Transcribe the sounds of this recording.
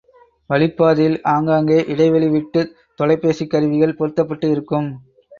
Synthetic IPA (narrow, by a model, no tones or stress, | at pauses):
ʋɐɭɪpːaːðɪlaːŋɡaːŋɡeːʔɪɽɐɪʋɐɭɪʋɪʈːɯ | t̪ɔlɐɪpːeːsikːɐɾɯʋɪɣɐɭpɔɾɯt̪ːɐpːɐʈːɯɪɾɯkːɯm